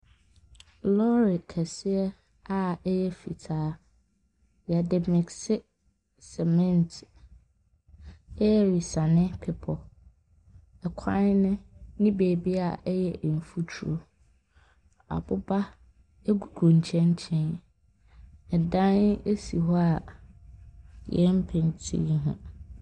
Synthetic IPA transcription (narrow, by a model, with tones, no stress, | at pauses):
lɔ˦ɾɪ˨kʰɛ˨sɪ˦ɛ˦ | a˨ɛ˦jɛ˦fḭ˨tʰaː˨˦ | ja˨dɪ˨mɛ˨ksɪ˦ | sɛ˨mɛ̃˦˨ntʰ | ɛ˦jɛ˦ɾi˨sã˨nɪ̃˦pʰɪ˦pʰɔ˨ | ɛ˨kʷʰã˦nnʊ̃˦nĩ˦beː˨bi˦a˨ʔjɛ˦˨m̩˨fu˦tʰu˦ɾo˦ | a̰˨bʊ˦ba˦ | e˦ɡu˨ɡʰu˨ɲ̩˨t͡ɕʰɛ̃˦ɲ˦t͡ɕʰɛ̃˦n | ɛ˨dã˦ne˦si˨ɦɔ˦a˨ | jɛ˦m̩˦pʰɪ̃˨n˨tʰḭ̃˦ɦʊ̰̃˦